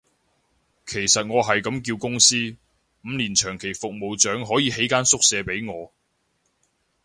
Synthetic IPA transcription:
kʰe˨˩jsɐ˨t̚ŋɔː˨˧ɦɐ˨jkɐ˨˥mkiː˧wkʊ˥ŋsiː˥ | m̩ː˨˧liː˨˩nt͡ʃʰœː˨˩ŋkʰe˨˩jfʊ˨k̚mo˨wt͡ʃœː˨˥ŋɦɔː˨˥jiː˨˧ɦe˨˥jkaː˥nsʊ˥k̚sɛː˨˧pe˨˥jŋɔː˨˧

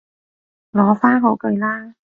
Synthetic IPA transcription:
lɔː˨˧˥faː˥nɦo˨˧wkɵ˨˧jlaː˥

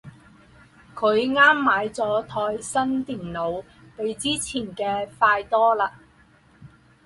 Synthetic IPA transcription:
kʰɵ˨˧ɥŋaː˥mːaː˨˥jt͡sɔː˨˥t̪ʰɔː˧jsɐ˥nt̪iː˨˩nlo˨˧w | pe˨˧jt͡siː˥t͡sʰiː˨˩nkɛː˧faː˧jt̪ɔː˥laː˧

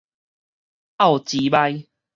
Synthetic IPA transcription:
ʔa˥˨wt͡ɕi˨˦ba˧j

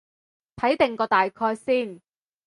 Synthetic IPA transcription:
t̪ʰɐ˨˥jt̪ɪ˨˩ŋkɔː˧t̪aː˨jkʰɔː˧jsiː˥˩n

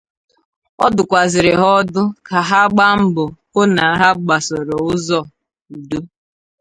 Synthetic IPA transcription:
ɔ̰˦dʊ˨kʷa˨zɪ˨ɾɪ˨ɦɔ˦dʊ˦ka˨ɦa˦ɡ͡ba˦m̩˦bʊ˨ko˦na˨˦ɦa˦ɡ͡ba˨sɔ˨ɾo˨ʊ˦zɔ˦˨ | u˨do˦

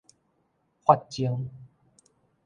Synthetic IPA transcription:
hwa˥˧t̚t͡ɕi˦əŋ

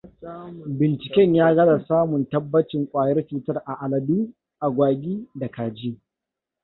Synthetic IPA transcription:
bɪ˨nt͡ʃɪ˨kʲɛ˦ɲjaː˦ɡɐ˦da˨saː˦mʊ˨ntɐ˦bːɐ˦t͡ʃɪ˨ŋkʷʼaː˨jɐ˦rt͡ʃuː˦tɐ˦rʔa˨ʔa˨lɐ˨diː˦ | ʔa˨ɡʷaː˨ɡʲiː˦da˨kaː˨d͡ʒiː˦

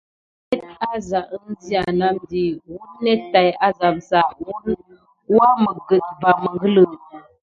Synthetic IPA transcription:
nɛ˦t̚a˦za˨ʔn̩˦di˦a˨na˦mdi˨wu˦nɛ˦tta˨ja˦za˨msa˨wu˦n | wa˦mə˨ɡə˨t̚va˨mə˨ŋɡə˦lə˨

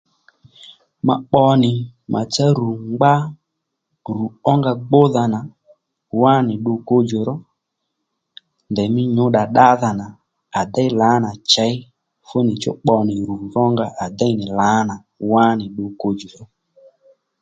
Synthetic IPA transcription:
ma̰˨ɓɔ˧nɪ˨mʔa̰˨t͡sa˦ɾu˨ŋ͡mɡ͡ba˦ | ɾu˨ɔ˦ŋɡa˧ɡ͡bo˦ða˧na˨ | wa˦nɪ˨ɗʊ˧ko˧d͡ʒo˨ɾɔ˦ | ndɛ˨mɪ˦ɲʊ˨˦ɗa˨ɗa˦ða˨na˨ | a˨da˦ɪ˦la˨˦na˨t͡ʃɛ˨˦ɪ˦ | fo˦nɪ˨t͡ʃɔ̰˦k͡pɔ˧nɪ˨ɾu˨vɔ˦ŋɡa˧ʔa˨da˦ɪ˦nɪ˨la˨˦na˨ | wa˦nɪ˨ɗʊ˧ko˧d͡ʒo˨ɾɔ˦

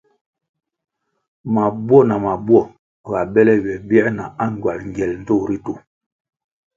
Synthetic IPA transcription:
ma˨bwɔ˦˨na˨ma˨bwɔ˦˨ | ɣa˨bɛ˦lɛ˦ɥɛ˨bjɛ˦ʔna˨a˦ŋ˨ɡwa˨lŋ˨ɡɛ˨ln̩˨to˦˨ɾi˦to˨

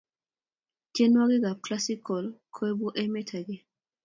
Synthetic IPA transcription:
tje˦nwa˦ɡɪ˦ɡa˨b̚kla˦si˦kʰɔ˨lkʰo˦e˦bo˦ʔe˦mɛ˦tʰa˨ɡɪ˦

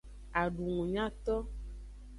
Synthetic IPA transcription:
a˨ɖu˨ŋũ˨ɲã˦t̪ɔ˦

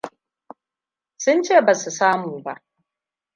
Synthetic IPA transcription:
sʊ˦nt͡ʃeː˦˨baː˨su˨saː˦muː˨ba̰˦˨ʔ

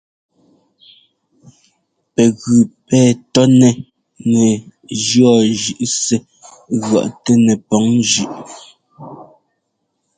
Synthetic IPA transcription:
pɛ˨ɣʉ˨pɛː˦tɔ˦nɛ˨ | ŋɛ˨d͡ʒɰɔ˦˨ʒʉ˨ʔsɛ˦ | ɣwa̰˨ʔtɛ˦nɛ˨pɔ˨˦ŋd͡ʒʉ˦˨ʔ

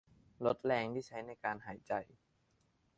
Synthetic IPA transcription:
lo˦˥t̪̚lɛː˧ŋt̪ʰiː˥˩t͡ɕʰa˦˥jna˧jkaː˧nhaː˩˦jt͡ɕa˧˩j

